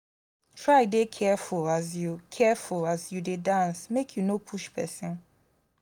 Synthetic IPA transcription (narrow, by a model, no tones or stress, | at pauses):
tʰɹaɪdekʰɛfulazjukʰɛfulazjudedãnsmekʰjunopʰuʃpʰɛ̰sɪ̃n